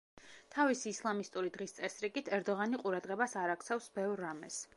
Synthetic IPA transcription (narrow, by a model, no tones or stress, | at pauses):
t̪ʰavisiːslˠamist̪ʼuɾid̪ʁist̪sʼɛsɾiɡit̪ʰɛɾd̪ɔʁaniqʼuɾad̪ʁɛbasaɾak̚t̪sʰafsbɛvɾːamɛs